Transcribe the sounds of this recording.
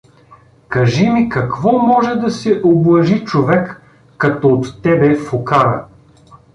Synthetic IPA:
kɐʒimikɐkvɔmɔʒɛd̪ɐsɛʔoblˠɐʒit͡ʃovɛkː | ɐt̪ɔːt̪ːɛbɛfokaɾɐ̰

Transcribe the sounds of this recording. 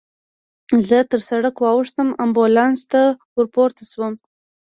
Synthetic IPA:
zət̪əɾsaɽəkwɑwəʂt̪əmambolɑnst̪awʊɾpoɾt̪aswəm

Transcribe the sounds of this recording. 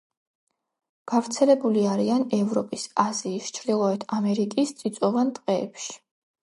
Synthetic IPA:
ɡ̥avɾt̪sʰɛlɛbuliaɾianɛvɾɔpʼisaziːst͡ʃʰɾd̪ilˠɔɛt̪ʰamɛɾikʼist̪sʼit̪sʼɔvant̪ʼqʼɛ̰ːpʃi̥

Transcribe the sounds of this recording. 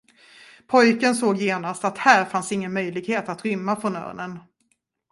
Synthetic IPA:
pʰɔjkənsoːɡjeːnast̪at̪hæːɾfansɪŋːənmœjlɪɡheːt̪at̪ɾʏmːafɾɔnœ̰ːɳən

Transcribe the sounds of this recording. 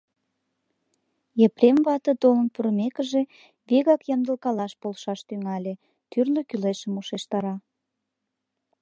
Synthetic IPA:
jepremβɑt̪ət̪olənpuɾəmekəʒe | βeɣɑkjɑnd̪əlˠkɑlɑʃpolʃɑʃt̪yŋɑlʲe | t̪yrløkyleʃəmuʃeʃt̪ɑɾɑ

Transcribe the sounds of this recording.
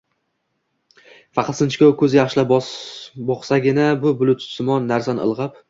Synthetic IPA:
fɑqʰɑlˠsɪnt͡ʃʰɪkʲɒwkʰɵzjɑχʃɪla | bɒχsaɡʲɪnabʊbʊlˠʊt̪ʰsʊmɒnːaɾsanɨ̰lˠʁɨp̚

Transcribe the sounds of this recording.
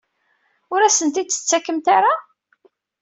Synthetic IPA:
ʊɾæsənt̪it͡sːə̥t͡sːækːəmt̪aɾa

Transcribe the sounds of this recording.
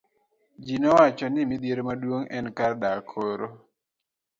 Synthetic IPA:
d͡ʒinɔwat͡ʃɔnɪmid̪jeɾmadwoŋɛnkardakʰoɾo

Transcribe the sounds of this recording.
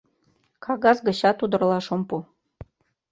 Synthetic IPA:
kʰɑɣɑzɡɤ̆ɕɑt̪ud̪ɤ̆rlˠɑʃŏmpu

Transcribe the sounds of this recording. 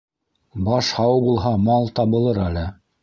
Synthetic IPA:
bɑʃhɑwbulˠɦɑmɑlˠt̪ɑbɤ̆lˠɤɾælɘ

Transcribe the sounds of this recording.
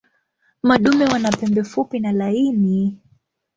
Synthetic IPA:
maɗumɛwanapɛmbɛfupinalaini

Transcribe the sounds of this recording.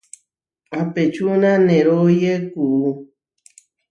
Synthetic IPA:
apet͡ʃunãnẽɾojekuu

